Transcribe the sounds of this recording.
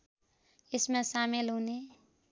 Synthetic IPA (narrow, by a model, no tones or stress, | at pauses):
ɪsmẽsaːmɪlɦone